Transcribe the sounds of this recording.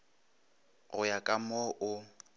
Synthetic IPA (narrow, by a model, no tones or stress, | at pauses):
ɣʊjakʼamɔʔʊ